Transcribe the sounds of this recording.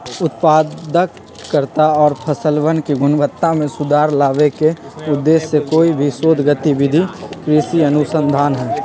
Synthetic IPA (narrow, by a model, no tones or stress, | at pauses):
ʊt̪paːd̪əkː | əɾt̪aɔːɾpʰəsəlʋənkiɡʊnʋət̪ːamẽsʊd̪ʱaːɾlaːʋekeʊd̪ːeːsːekoːibʱisoːd̪ʱɡət̪iʋɪd̪ʱikɾiʃiənʊsə̃nd̪ʱaːnɦɛː